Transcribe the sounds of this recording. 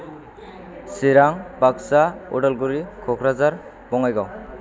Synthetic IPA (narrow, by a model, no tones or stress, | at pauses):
siɾaŋbaksaɔ̰ɖalɡuɾikʰɔkʰɾazaɾ | bɔŋajɡaw